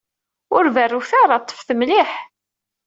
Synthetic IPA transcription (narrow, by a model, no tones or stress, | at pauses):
ʊɾværːuθaɾˤɑt̪ˤːə̥fθəmliħ